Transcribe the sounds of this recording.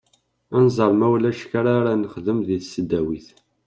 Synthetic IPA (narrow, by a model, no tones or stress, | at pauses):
ænzˤəɾˤmæwlæʃkaɾaɾanəχðəmðiθsːəd̪ːæwiθ